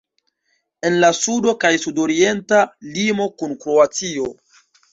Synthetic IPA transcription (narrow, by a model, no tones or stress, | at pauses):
e̞nlasudo̞kajsudo̞ɾie̞ntalimo̞kunkɾo̞at͡sio̞